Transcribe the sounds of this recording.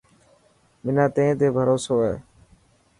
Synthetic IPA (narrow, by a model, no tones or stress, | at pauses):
mɪnãːt̪ẽːt̪eːbʱəɾoːsoːɦɛeː